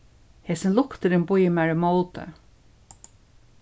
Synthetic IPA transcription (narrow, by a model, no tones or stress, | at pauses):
heːsɪnlʊkt̪ɪɾɪnbʊjɪmæɹɪmowt̪ə̰